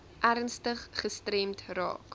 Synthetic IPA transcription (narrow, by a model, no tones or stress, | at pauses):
ʔærnstəχχəstrɛmtrɑ̰ːk